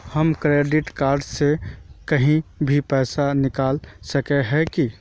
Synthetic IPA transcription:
həmkɾeːɖɪʈkaːɾɖsekəɦĩbʱipɛːsanɪkaːlsəkeɦɛki

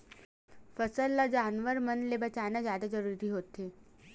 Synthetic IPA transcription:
fəsəlːad͡ʒaːnʋəɾmənlebɐt͡ʃaːnazjaːd̪ad͡ʒɐɾuːɾiɦoːt̪eː

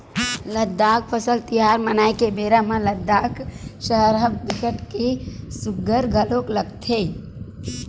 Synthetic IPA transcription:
ləd̪ːaːk̚pʰəsəlt̪ijaːɾmənaːjkebeːɾamãləd̪ːaːkʃəɦɾabb̪ɪkəʈkesʊɡəɾɡʱəlokləɡt̪ʰe

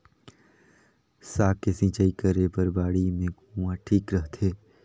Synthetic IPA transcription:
saːkːesɪ̃t͡ʃaːikəɾepɐɾbaːɽimẽɡuwãʈʰiːkɾəɦt̪ʰeː

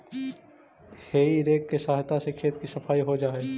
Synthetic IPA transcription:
heːiɾeːkːesaːɦt̪asekʰeːt̪kisɐpʰaːiɦod͡ʒaːeː

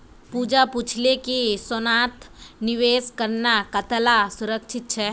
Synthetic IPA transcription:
pud͡ʒaput͡ʃʰlekisɔnat̪niʋeːskəɾnakət̪lasʊɾəkt͡ʃʰɪt̪̚t͡ʃʰɛ

